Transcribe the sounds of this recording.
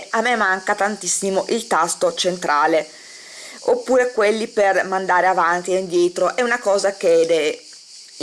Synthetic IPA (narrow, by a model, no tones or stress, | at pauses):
amːemːaŋkat̪ant̪isːimoʔilt̪ast̪ot͡ʃent̪ɾʔaːle | opːuːɾekwelːipermand̪aːɾeavant̪ieind̪jɛːt̪ɾoʔɛunakɔːzaked̪e